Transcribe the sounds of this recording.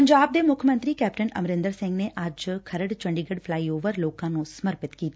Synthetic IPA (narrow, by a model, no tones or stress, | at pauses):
əɲd͡ʒaːb̚d̪eːmʊkʰəmə̃nt̪ɾiːkɛːpʈənə̰mɾɪ̃nd̪əɾsɪ̃ŋɡneʔad͡ʒkʰəɾəɽt͡ʃə̃ɳɖiɡəɖfʰlaːioːʋəɾloːkãːnũsəməɾpɪt̪kiːt̪a